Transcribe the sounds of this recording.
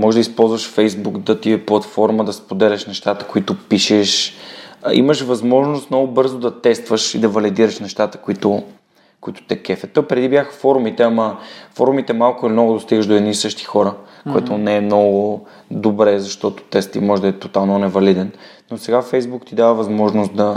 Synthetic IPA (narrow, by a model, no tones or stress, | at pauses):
mɔʒɛd̪ɐispɔlˠzvɐʃfɛjzbukd̪ɐt̪iɛplˠɐt̪fɔɾməd̪ɐspod̪ɛlʲəʃnɛʃt̪at̪ə̥koit̪ʊpiʃɛʃ | ḭməʃvɐzmɔʒnʊst̪mnɔɡʊbɤɾzod̪ɐt̪ɛst̪vəʃḭd̪ɐvɐlid̪iɾəʃnɛʃt̪at̪ə̥koit̪ʊ | kʊit̪ʊ̥t̪ɛkɛfɛt̪opɾɛd̪ibjaxə̥fɔɾumit̪ɛamɐfɔɾumit̪ɛmalˠkʊilimnɔɡʊd̪ost̪iɡəʃʒd̪oɛd̪nisɤʃt̪i̥xɔɾəkoɛt̪ʊnɛɛmnɔɡʊ | d̪obɾɛzɐʃt̪ɔt̪ʊ̥t̪ɛst̪ḭmɔʒɛd̪ɐɛt̪ot̪alˠnonɛvɐlid̪ɛnnːosɛɡafɛjzbukt̪id̪avəvɐzmɔʒnos̚d̪ɐ